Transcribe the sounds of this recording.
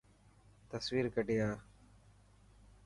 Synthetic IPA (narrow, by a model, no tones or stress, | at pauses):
t̪əswiːɾkəɖɪjaː